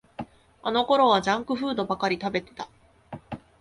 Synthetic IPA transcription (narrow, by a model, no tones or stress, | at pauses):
ano̞ko̞ɾo̞β̞ad͡ʑãŋkɯ̟ɸɯ̟ːd̪o̞bakaɾʲit̪abe̞t̪e̞̥t̪a